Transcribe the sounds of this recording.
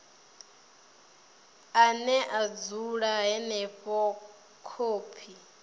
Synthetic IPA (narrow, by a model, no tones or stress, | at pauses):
anɛʔad͡zuɺaɦɛnɛɸɔ | kʰoːpʰi